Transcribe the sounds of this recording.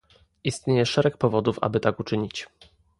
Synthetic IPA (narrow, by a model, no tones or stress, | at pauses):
ist̪ɲejɛʂɛɾɛk̚pɔvɔd̪ufa̰bɘt̪akut͡ʂɘɲit͡ɕ